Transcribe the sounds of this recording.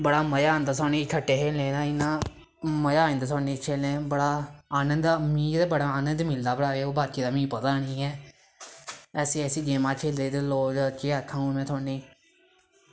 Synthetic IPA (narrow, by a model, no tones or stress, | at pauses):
bəɽaːməjaːnd̪aːsɔːniːkʰəʈːeːɦeːlẽːnãːɪnãː | məjãːnd̪aːsɔːniːt͡ʃʰeːlẽːbəɽaːaːnənd̪amĩːd̪eːbəɽaːaːnə̃nd̪mɪld̪aːbəɽaːɾeːoːbaːt͡ʃiːd̪aːmĩːpət̪aːniːɛː | ɛːsiːɛsiːd͡ʒeːmaːt͡ʃʰeːld̪eːd̪eːloːd͡ʒt͡ʃeːakʰːãːũːmɛ̃ːt̪ʰoːniː